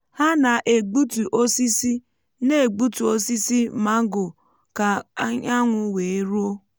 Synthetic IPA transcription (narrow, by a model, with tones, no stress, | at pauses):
ha˦na˨ʔe˨ɡ͡bu˦tu˨ʔo˦si˦si˦ | ne˦e˨ɡ͡bu˦tu˨o˦si˦si˦ma˦ɡʊ˨ | ka˨˦ɲa˦ŋʷʊ˨we˨e˦ɾu˦o˦